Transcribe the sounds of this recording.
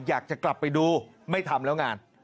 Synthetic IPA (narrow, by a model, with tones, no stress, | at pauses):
jaː˨˩k̚t͡ɕa˨˩kla˨˩pːa˧˩jɗuː˧ | ma˥˩jt̪ʰa˧mlɛː˦˥wŋaː˧n